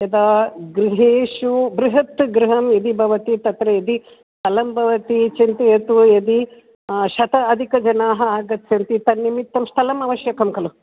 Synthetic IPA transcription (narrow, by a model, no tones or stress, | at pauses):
ɐd̪aːɡɾiɦeːʂubɾiɦɐt̪ɡɾiɦɐmjed̪ibʱɐʋɐt̪it̪ɐt̪ɾɐjed̪i | t̪ɐlɐmbʱɐʋɐt̪it͡ʃint̪ɐjɐt̪ujed̪i | ʃɐt̪ɐːd̪ʱikɐd͡ʒɐnaːɦɐaːɡɐt̪ːsɐnt̪it̪ɐnːimit̪ːɐmst̪ʰɐlɐmɐʋɐʃjɐkɐmkɐlu